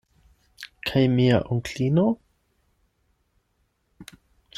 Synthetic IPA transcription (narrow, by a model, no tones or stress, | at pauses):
kʰajmia̰ʔʊŋkɬino